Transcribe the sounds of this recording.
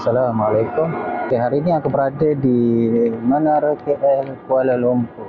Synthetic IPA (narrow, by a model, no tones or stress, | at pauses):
salamalakʊmkeɦaɾiːniakabəɾadadi | mənaɾəkeʔɛlkualalompu